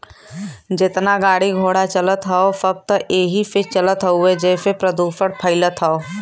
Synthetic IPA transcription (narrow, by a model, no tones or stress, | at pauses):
d͡ʒɪt̪naɡaːɽiɡʱoːɽat͡ʃɐlət̪ɦaofəb̚t̪əeːɦifɪt͡ʃɐlət̪ɦəued͡ʒɛːfepɾəd̪uːfəɽpʰəɪlət̪ʰaoː